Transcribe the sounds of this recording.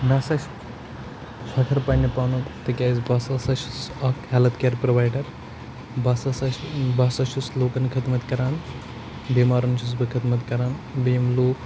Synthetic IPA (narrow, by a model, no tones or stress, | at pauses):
nɐsɐʃ | sʰɐkʰɐɾpɐnʲɐpaːnukt̪ɨkʲaːzbɐsɐsɐʃusɐkhɛlɐt̪keːɾpɾɐʋaːjɖɐɾ | bɐsɐsɐbɐsɐʃusloːkɐnkʰɐd̪mɐt̪kɐɾaːn | biːmaːɾɐnt͡ʃʰus̬bɨkʰɐt̪mɐt̪kɐɾaːnbemloːk